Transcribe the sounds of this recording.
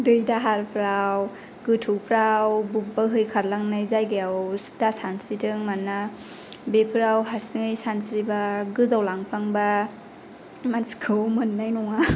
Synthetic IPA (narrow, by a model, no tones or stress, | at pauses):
dɯjdaɦaɾpʰɾaw | ɡɯtʰupʰɾawbupbaɦɯjkʰaɾlaŋnɯjzajɡajawsdasansitʰɯŋmanːa | bepʰɾawɦaɾsɯŋɯjsansɾibaɡɯzawlaŋpʰlaŋba | mansi̥kʰɯwmɯnːajnɔŋa